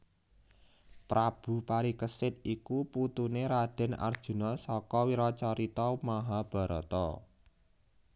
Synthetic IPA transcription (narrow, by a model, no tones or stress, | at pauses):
pɾab̥ṳpaɾikəsɪt̪̚ikuput̪uneɾad̪̥ɛ̤na̰rd̥ʒ̥ṳnɔsɔkɔwiɾɔt͡ʃɔɾit̪ɔmaɦab̥a̤ɾɔt̪ɔ